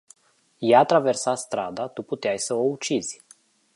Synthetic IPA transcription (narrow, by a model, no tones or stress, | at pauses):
jat̪ɾave̞rsast̪ɾa̰d̪at̪uput̪eajsəout͡ʃiz̥ʲ